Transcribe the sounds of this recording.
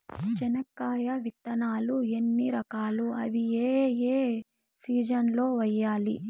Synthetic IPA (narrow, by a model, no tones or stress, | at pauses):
t͡ʃɐnɐkːaːjɐʋit̪ːɐnaːluenːiɾɐkaːluɐʋieːeː | siːd͡ʒɐnlo̞ːʋɐjːaːli